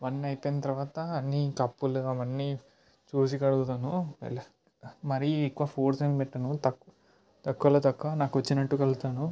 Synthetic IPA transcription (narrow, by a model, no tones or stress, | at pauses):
ʋɐnːɐjpɐjnɐt̪ɐɾɐʋaːt̪ɐːnːikɐpːuluɐmɐnːi | t͡ʃuːs̬ikɐɽuɡut̪aːnṵl | mɐɾiːkːʋaːpʰoːɾsempɛʈːɐnut̪ɐk | t̪ɐkːuʋɐlɐt̪ɐkːuɐnaːkuʋɐt͡ʃːinɐʈːukɐlut̪aːnu